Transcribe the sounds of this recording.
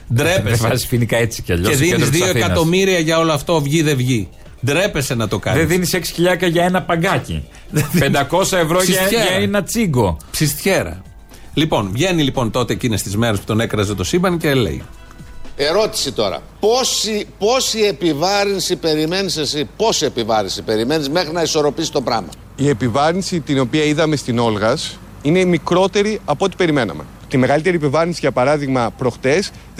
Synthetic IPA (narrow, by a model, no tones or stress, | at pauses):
d̪ɾepeɐssfinikɐet͡si̥ceɐʎoeðinizðio̞ekɐo̞miɾiɐʝɐo̞loɐft̪o̞vʝiðe̞vʝi | d̪ɾe̞pe̞se̞nɐt̪o̞kɐ̰ðeðiniseksi̥çiʎɐkɐʝɐe̞nɐpɐŋɡɐcḭ | ðeðipend̪ɐko̞sɐevɾosçeɐenɐt͡siɡo̞psist̪çe̞ɾɐ̰ | lipo̞nvʝe̞nilipo̞nt̪o̞t̪e̞ːcinest̪izme̞ɾespu̥t̪o̞ne̞kɾɐzet̪o̞sibɐnicelḛḭ | e̞ɾo̞t̪i̥sit̪o̞ɾɐ̰ | posipo̞siepivɐɾinsipe̞ɾime̞nisesipo̞sie̞pivɐɾinsipe̞ɾime̞nizme̞xɾinɐiso̞ɾo̞pisi̥t̪o̞pɾɐ̰mɐ̰ | ie̞pivɐɾinsit̪ino̞piɐiðɐme̞st̪ino̞lɣɐs | ine̞mikɾo̞t̪e̞ɾiɐpoot̪ipe̞ɾime̞nɐ̰me̞ | t̪ime̞ɣɐlit̪e̞ɾiepivɐɾinsiʝɐpɐɾɐðiɣmɐpɾo̞xt̪e̞s